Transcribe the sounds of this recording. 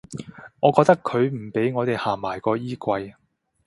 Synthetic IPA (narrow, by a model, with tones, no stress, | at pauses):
ŋɔː˨˧kɔː˧k̚t̪ɐ˥kʰːɵ˨˧ɥm̩˨˩pe˨˥jŋɔː˨˧t̪e˨jhaː˨˩maː˨˩jkɔː˧jiː˥kʷɐ˧j